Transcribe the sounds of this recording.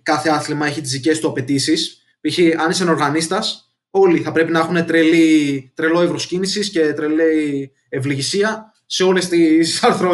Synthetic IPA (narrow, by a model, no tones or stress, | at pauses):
kɐθeɐθlimɐe̞çit̪izðice̞st̪uɐpe̞t̪isis | piçiɐnisɐno̞ɾɣɐnist̪ɐs | o̞liθɐpɾe̞pinɐexune̞t̪ɾelit̪ɾe̞lo̞ivɾo̞scinisisce̞t̪ɾe̞lei | evliʝisiɐ | se̞o̞le̞st̪isɐɾθɾo